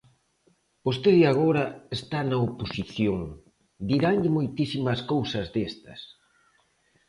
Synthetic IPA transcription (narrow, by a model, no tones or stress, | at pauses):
post̪eðjaɣ̞oɾɐest̪anɐoposiθjoŋ | d̪iɾaŋʎɪmojt̪isimɐskowsɐzðest̪ɐ̰s